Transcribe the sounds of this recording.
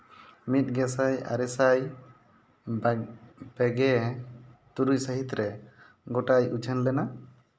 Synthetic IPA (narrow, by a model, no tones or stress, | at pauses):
mit̪̚ɡɛsaja̰ɾɛsaj | b̥ɛɡɛ | t̪uɾujsəɦit̪ɾɛ | ɡɔʈajud͡ʒʰənlɛna